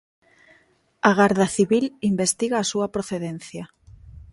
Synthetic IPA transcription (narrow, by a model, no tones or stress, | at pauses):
aɣaɾðaθiβilimbest̪iɣaːsuɐpɾoθeðenθjɐ